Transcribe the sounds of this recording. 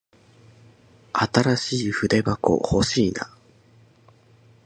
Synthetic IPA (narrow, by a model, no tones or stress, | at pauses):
at̪aɾaɕiːɸɯ̟d̪e̞bako̰ho̞ɕiːna̰